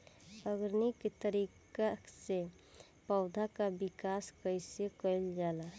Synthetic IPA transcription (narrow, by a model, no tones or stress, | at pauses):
əɡɾniket̪əɾikase | pəʊd̪ʱakabikaskəɪsekəɪld͡ʒaːla